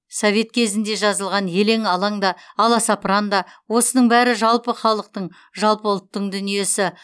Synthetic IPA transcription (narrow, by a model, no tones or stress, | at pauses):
sovʲe̞t̪̚kʲʰe̞zɪnd̪e̞ʒɑzəlˠʁɑnje̞le̞ŋɑlˠɑɴd̪ɑːlˠɑsɑprɑnd̪ɑwo̞sənəɴbæɾɪʒɑlˠpəχɑlˠəq̚t̪əɴ | ʒɑlˠpəʊlˠt̪ːəɴd̪ʏnije̞sɪ